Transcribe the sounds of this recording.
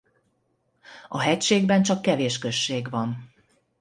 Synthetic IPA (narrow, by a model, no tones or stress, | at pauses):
ɒɦɛcʃeːɡbɛnt͡ʃɒkːɛveːʃkø̞ʃːeːɡvɒn